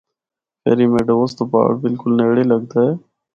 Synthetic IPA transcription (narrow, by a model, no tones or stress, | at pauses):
pḛːɾiːmeːɖəʋoːst̪oːpa̰ːɽbɪlkʊlneːɽeːləɡt̪aːeː